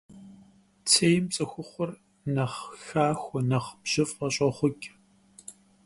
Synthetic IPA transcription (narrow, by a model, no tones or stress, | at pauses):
t͡sʰeːjmt͡sʼɐxʷʊχʷɔr | nɐχxaːxʷɔnɐχbʒ̥ɨfqɐɕʼɐχʷʊkʲʼ